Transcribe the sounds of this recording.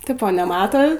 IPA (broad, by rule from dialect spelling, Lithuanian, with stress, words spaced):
ˈtʲɪpoː nʲɛˈmɑːtoː